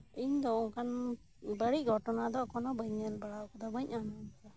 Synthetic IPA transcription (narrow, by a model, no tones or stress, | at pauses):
iɲd̪ɔɔŋkan | bəɽiɡɔʈɔnad̪ɔkɔnɔbəɲanbaɽakɔd̪ɔməɲanɔa